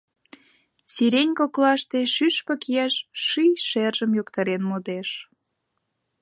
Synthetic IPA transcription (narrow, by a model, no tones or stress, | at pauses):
siɾenʲkoklɑʃt̪eʃyʃpə̆kijæʃʃyjʃerʒəmjokt̪ɑɾenmod̪eʃ